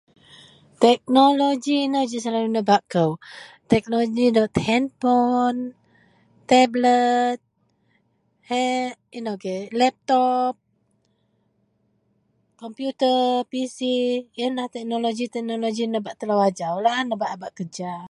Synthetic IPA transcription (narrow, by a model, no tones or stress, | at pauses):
t̪ɛk̚nolod͡ʒiːnəd͡ʒisalalunəbaʔkəw | t̪ɛk̚nolod͡ʒinət̪hɛnpɔn | t̪ɛblət̪̚ | hɛ | inokelɛp̚t̪ɔp̚ | kɔmpjut̪əpisijənlaht̪ɛk̚nolod͡ʒit̪ɛk̚nolod͡ʒinəbaʔt̪əlawad͡ʒawlahnəbaʔabaʔkəd͡ʒa